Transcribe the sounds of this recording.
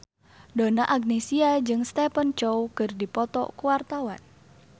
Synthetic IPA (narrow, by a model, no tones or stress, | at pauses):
donaʔaɡ̚nesiad͡ʒɨŋst̪ɛpənt͡ʃowkɨrdipɔt̪ɔ̰kuwart̪awan